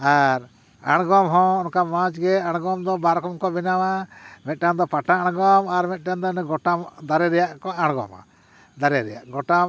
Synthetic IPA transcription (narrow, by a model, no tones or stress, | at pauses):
aɾ | a̰ɽ̃ɡɔmɦɔ̃ɔnkamãt͡ʃɡɛaɽ̃ɡɔmd̪ɔbaɾkɔmkɔbɛnawamɛt̪̚ˀʈand̪ɔpaʈaaɽ̃ɡɔmaɾmɛt̪̚ˀʈand̪ɔniɡɔʈamd̪aɾɛɾɛjaʔkɔaɽ̃ɡɔ̰ma̰ | d̪aɾɛɾɛjaʔɡɔʈa